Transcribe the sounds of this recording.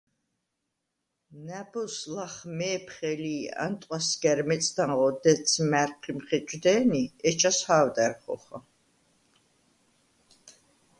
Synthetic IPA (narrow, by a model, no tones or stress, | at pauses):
næbɔslaχmɛːpʰχɛliːa̰nt̪ʼqʼwasɡɛɾmɛt͡sʼd̪aɴʁɔd̪ɛt̪sʰmæɾqʰimχɛt͡ʃʼd̪ɛːniɛt͡ʃʰashaːvd̪æɾχɔ̰χa